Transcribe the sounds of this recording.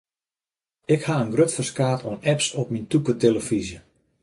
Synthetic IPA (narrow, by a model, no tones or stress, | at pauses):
ɪkhaənɡrøtfərskaːtʰɔnɛpsɔp̚mintukəteləfizjə